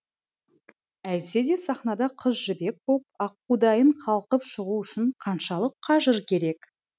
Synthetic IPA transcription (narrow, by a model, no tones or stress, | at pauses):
æj̪se̞d̪e̞sɑχnɑd̪ɑqʰəzʒɪbe̞k̚pʰop̚ɑqːud̪ɑjəɴqʰɑlˠqəpʃəʁuʏʃɪɴqʰɑnʃɑlˠəqʰːɑʒəɾkʲʰe̞ɾe̞k